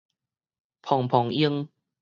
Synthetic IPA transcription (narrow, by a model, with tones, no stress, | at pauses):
pʰɔ˨˩ŋpʰɔ˨˩ŋi˧əŋ